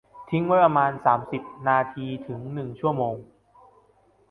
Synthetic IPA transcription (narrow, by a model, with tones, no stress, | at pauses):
t̪ʰi˦˥ŋwa˦˥t̚ɾa˧maː˧nsaː˩˦msi˨˩p̚naː˧t̪ʰiː˧t̪ʰɯ˩˦ŋnɯ˨˩ŋt͡ɕʰu˥˩ɐmoː˧ŋ